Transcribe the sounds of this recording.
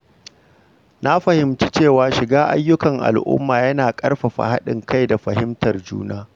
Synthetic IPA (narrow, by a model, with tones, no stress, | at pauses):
na˦ɸɐ˨hɪ˨mt͡ʃi˦t͡ʃeː˦˨waː˨ʃɪ˨ɡaː˦ʔa̰˦jːʊ˦kɐ˨ŋʔa̰˨lʔʊ̰˦mːaː˨jɐ˦naː˨kʼɐ˦rɸɐ˨ɸa̰˨ha˦ɗɪ̰˨ŋka˦jda˨ɸɐ˨hɪ˦mtɐ˨rd͡ʒṵː˦naː˦